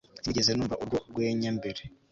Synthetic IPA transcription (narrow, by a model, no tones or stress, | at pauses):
ziɟezenuːɱvaʔuɾɡoɡweɲambeɾe